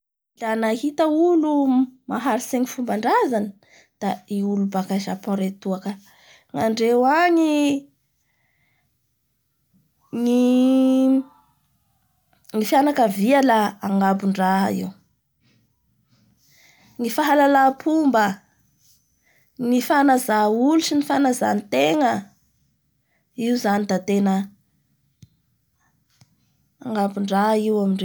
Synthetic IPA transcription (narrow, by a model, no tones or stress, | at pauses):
d̪anahit̪əulumaɦaɾiseɲifumbaɳɖ͡ʐazani | d̪̥aiulubakaʃapoɾet̪uakə | ŋaɳɖ͡ʐewaɲi | ni | ŋifianakəvialaaŋɡabuɳɖ͡ʐaɦḭw | ŋifaɦalalapʰumbə | nifanazauluʈ͡ʂinifanaza̰nt̪eŋə | iuzanid̪at̪enə | aŋɡabuɳɖ͡ʐaɦiwamiɳɖ͡ʐe